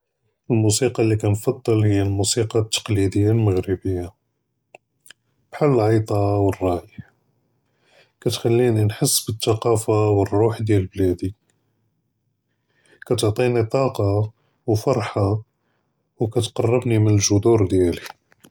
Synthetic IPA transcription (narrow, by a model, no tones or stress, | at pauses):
əlmusiqɑlːikænfɑd̪ˤːəlhəjːalmusiqɑt̪ːɑ̥qlid̪əjːalməɣɾəbəjːa | b̥ħalːəlʕɑjt̪ˤɑwərˤːɑjəħ | kæt̪xælːininħəsːbət̪ːɑqɑfawərːuħd̪jæləblæd̪i | kæt̪oʕt̪ˤinit̪ˤɑqɑ | wfɑɾˤħa | wkæt̪qɑrˤːəbnimənəlʒʊd̪uɾd̪jæli